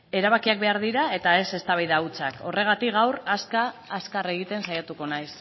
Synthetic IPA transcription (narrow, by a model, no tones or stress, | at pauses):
e̞ɾaβ̞akiak̚be̞aɾðiɾae̞t̪ae̞se̞st̪aβajðaut͡sakʰo̞̰re̞ɣ̞at̪ikɣawɾaskaːskare̞ɣ̞it̪e̞nsajat̪uko̞najs